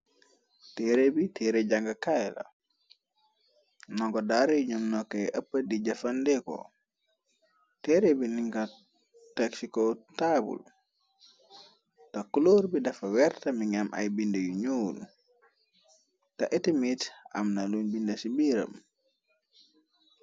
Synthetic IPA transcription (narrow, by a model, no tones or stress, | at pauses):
tɛɾebitɛːɾeɟaŋɡɐkajlɐ̰ | nɔŋkɔdaɾejuɲumnɔkːɛjʔəpːədiɟɐfɐndɛkɔ̰ | tɛɾebiniŋɡa | tɐksikɔtaːbṵl | tɐkuloːɾbidɐfɐwɛrtɐmiŋɐmʔɐ̰jbindɐjuɲol | tɐʔɛtimitɐ̰mnɐlunbindɐsibiːɾə̰m